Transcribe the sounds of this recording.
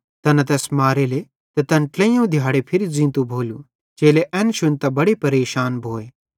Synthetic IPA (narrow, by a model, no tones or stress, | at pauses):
t̪ɐnat̪̬ɛːsmaːɾeːle | t̪ɐt̪ɐ̃nʈlɛ̃ːjõd̪ʱjaːɽepʰɪɾizĩːnt̪ubʱoːlu | t͡ʃeːleʔɛ̃ːnʃʊnt̪abɐɽepɐɾeːʃaːnbʱoːeː